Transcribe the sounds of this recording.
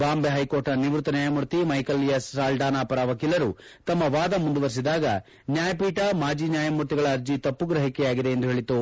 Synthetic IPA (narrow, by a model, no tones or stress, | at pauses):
baːmbeɦɐjko̞ːɾʈɐniʋɾut̪ɐnjaːjɐmuɾt̪imɐjkɐlːijɐsaːlɖaːnaːpɐɾaʋɐkiːlɐɾu | t̪ɐmːɐʋaːd̪ɐmund̪uʋɐɾs̬id̪aːɡɐ | njaːjɐpiːʈɐmaːd͡ʒiːnjaːjɐmuɾt̪iɡɐɭɐːɾd͡ʒit̪ɐpːuɡɾɐɦikɛjaːɡid̪e̞end̪uɦeːɭit̪u